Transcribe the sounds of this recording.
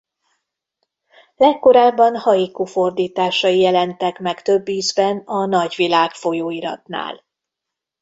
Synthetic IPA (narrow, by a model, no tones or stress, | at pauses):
lɛkːo̞ɾaːbːɒnhɒjikufo̞rd̪iːt̪aːʃɒjijɛlɛnt̪ɛkmɛkt̪ø̞bːiːzbɛnɒnɒɟʋilaːkfo̞joːiɾɒ̰t̪na̰ːl